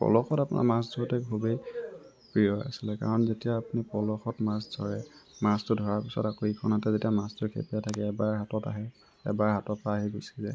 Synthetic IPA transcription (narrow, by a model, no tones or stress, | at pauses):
pɔ̰lɔxɔtapunʔa̰maszʱɔɹtɛkʰubej | pɹijɔja̰silɛka̰ɹɔnzetijaːpunipɔlɔxɔtmasdʱɔ̰ɹɛmastʊdʱɔɹaɹpisɔ̰takoikʰɔnatɛzetijamastʊkʰḛpijatʰakɛːbaɹɦatɔta̰ɦɛ | ɛbaɹɦatɔtpaːɦɛɡosizɛ̰